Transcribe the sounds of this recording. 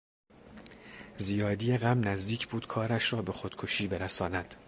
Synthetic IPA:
zijɒːd̪ijeɣæmnæzd̪iːcʰbuːd̪̥kʰɒːɾæʃɾɒːbe̞xod̪̥kʰoʃiːbe̞ɾæsɒːnæd̪̥

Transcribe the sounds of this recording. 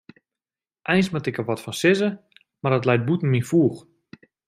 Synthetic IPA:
ʔɛjnsmatɪkəʋɔtfɔnsɪzə | mardətlɛjt̚butn̩minfuːx

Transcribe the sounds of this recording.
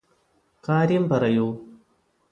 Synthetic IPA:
kaːɾjɐmpɐrɐjoː

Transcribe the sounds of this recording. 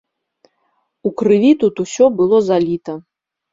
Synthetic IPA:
ukɾɨvʲit̪ut̪usʲɔbɨlˠɔzalʲit̪ɐ

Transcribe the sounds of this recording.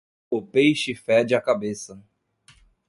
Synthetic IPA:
ʊpejʃɪfɛd͡ʒɪɐkabesɐ

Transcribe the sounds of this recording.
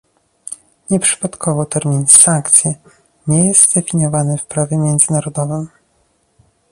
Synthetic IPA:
ɲɛpʂɘ̥pat̪kʰɔvɔt̪ɛɾmʲinsaŋkt̪sʲjɛ | ɲɛjɛst̪d̪ɛfʲiɲjɔvanɘfpɾavʲjɛmʲjɛnd̪zɘnaɾɔd̪ɔvɘm

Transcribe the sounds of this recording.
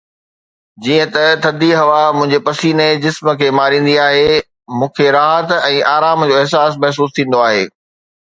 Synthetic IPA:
d͡ʑiːə̃t̪ɐt̪ʰɐd̪iɦɐʋamʊ̃ɦɪ̃ɲd͡ʑepɐsiːned͡ʑɪsmə̆kʰeːmaːɾĩːn̆d̪iaːɦe | mũːkʰeɾaːɦət̪ɛ̃ːʔaːɾaːmd͡ʑoːɪɦsaːsmɐɦs̬uːst̪ʰĩːnd̪oaːɦeː

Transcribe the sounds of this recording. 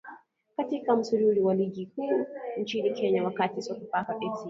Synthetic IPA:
katikamʊsʊɾuːɾiwaliːɡʲikuːn̩t͡ʃinikʰɛːɲawakatisɔkupakaɗɛsi

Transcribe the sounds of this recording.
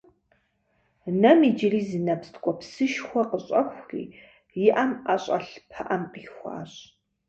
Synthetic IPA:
nɐmiːd͡ʒɪriːzinɐpstʰkʷʼɔpsɨʃxʷɔqəɕʼɐxʷrḭː | jɪʔɐmɐɕʼɐɬpʰɐʔɐmqiːxʷɑ̰ːɕʼ

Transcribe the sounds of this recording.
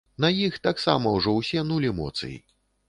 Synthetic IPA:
nɐjixt̪aksa̰mɐwʐɔwsʲɛnulʲiɛmɔ̰t̪sɨ̰jḭ

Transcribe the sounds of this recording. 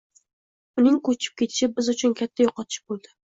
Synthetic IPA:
ʊnɪŋkʰɵt͡ʃʰɪ̥p̚kʲʰe̞t̪ʰɪ̥ʃɪbɪzʊt͡ʃʰʊnkʲʰat̪ʰːajoqɒt̪ʰɪɪbolˠd̪ɪ

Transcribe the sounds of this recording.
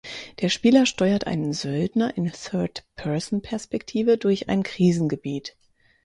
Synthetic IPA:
d̥eːɐʃpiːlɐʃtɔʏɐtʔa̰ɪnənzœldnɐʔɪnθœɐtpʰɛɐzn̩pʰɛɐspɛktʰiːvədʊɐça̰ɪnkʁ̥iːzn̩ɡəbiːt

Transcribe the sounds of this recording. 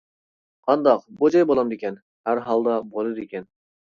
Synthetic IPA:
qʰɑnd̪ɑq̚bod͡ʒɑjbolˠɑmd̪ekʲʰɛn | hæɾɦɑlˠd̪ɑbolˠɨd̪ekʲɛn

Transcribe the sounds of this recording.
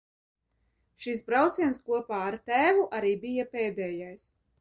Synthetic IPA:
ʃisbɾawt̪siɛnskuɔpaːaɾt̪æːvuʔaɾiːbijapeːd̪ɛːjajs

